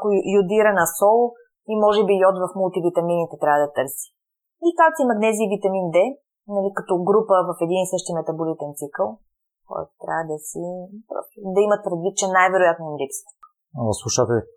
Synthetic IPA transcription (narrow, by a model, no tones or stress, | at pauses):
kʊjʊd̪iɾɐnɐsɔlˠ | imɔʒɛbijɔt̪vɐfmulˠt̪ivit̪ɐminit̪ɛt̪ɾʲavəd̪ɐt̪ɤɾsi̥ | ikakt̪imɐt̪nɛzivit̪ɐmind̪ɛ | nɐlikɐt̪ɔɡɾupəvɐfɛd̪inisɤʃt̪imɛt̪ɐbʊlit̪ɛnt̪sikəlˠ | kɔ̰jt̪ʊ̥t̪ɾʲa̰vəd̪ɐsipɾɔ̰st̪ud̪ɐimɐt̪̚pɾɛd̪vit̪̚t͡ʃɛnajvɛɾʊjat̪noimlipst̪ | slˠuʃat̪ɛ